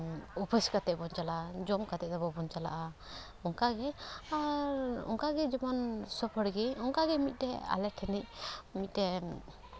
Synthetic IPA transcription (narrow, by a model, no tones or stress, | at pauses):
upʰəskat̪ɛbɔnt͡ʃalad͡ʒɔmkat̪ɛʔ̚d̪ɔbɔbɔnt͡ʃala̰ʔa | ɔŋkaɡɛaɾɔ̰ŋkaɡɛd͡ʒɔmansɔpʰəɽɡɛɔŋkaɡɛmit̪̚ˀdɛa̰lɛʈʰɛnɛʔ̚mit̪̚ˀdɛ